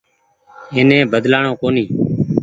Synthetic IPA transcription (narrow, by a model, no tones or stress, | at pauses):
eːnẽːbəd̪laːɳõːkoːniː